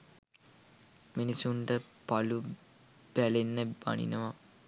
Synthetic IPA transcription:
minisuɳʈəpalu | b̥ælenːəba̰nḭnəʋa

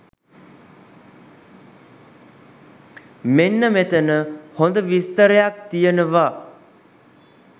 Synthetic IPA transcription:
menːəmet̪ənəhõnd̪əʋist̪əɾjak̚t̪ijənəʋa

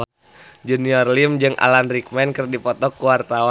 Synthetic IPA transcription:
d͡ʒɛniɔrlimd͡ʒɨŋʔa̰lanrik̚mɛnkɨrdipɔt̪ɔkːuwart̪awa

